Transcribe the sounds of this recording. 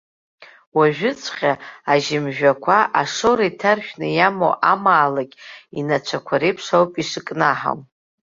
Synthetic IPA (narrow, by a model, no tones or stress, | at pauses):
waʒᶣʊt͡sʷʰʼχʲaaʒɪmʒᶣakʷʰaʔaʂoɾaitʰarʃᶣnɨjamo̰ʔamaːlakʲʼinat͡ʃʷʰakʷʰaɾejpʰʂawpʼiʂɨkʼnaħa̰w